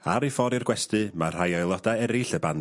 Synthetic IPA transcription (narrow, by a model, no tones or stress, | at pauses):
aɾifɔɾɪrɡwɛstɨmar̥ajɔjlˠɔdaɛɾɪɬəban